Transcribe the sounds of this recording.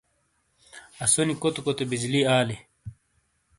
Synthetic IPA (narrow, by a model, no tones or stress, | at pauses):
ɐsonikot̪okot̪ebid͡ʑliaːle